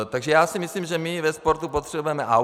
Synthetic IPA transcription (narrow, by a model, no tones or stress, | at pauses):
t̪aɡʒɛjaːsimisliːmʒɛmiʋɛspoɾt̪upot̪r̥ɛbujɛmɛʔa